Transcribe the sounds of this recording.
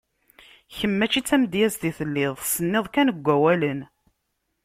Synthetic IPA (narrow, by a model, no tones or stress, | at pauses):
çəmːæt͡ʃːit͡sːæmd̪jæsðiθəlːɪðˤsənːɪðˤkænəɡʷːæwælən